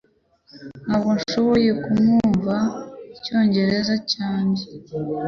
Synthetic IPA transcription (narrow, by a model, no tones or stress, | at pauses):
n̥haːbɡonʃo̞βo̞je̞kumuɱvaico̞ːɲɟe̞ɾe̞zacaːɲɟe